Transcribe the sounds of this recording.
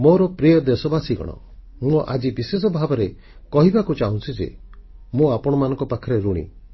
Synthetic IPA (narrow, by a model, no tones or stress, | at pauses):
moɾɔpɾijɔd̪esɔbasiɡɔ̰ɽ̃ɔ̰ | mũɔʔa̰d͡ʒibises̬ɔbʱabɔɾe | kɔɦibakut͡ʃaɦũt͡ʃʰid͡ʒḛmũapɔɽ̃ɔmanɔ̃ŋkɔpakʰɔɾeɾuɽ̃ḭ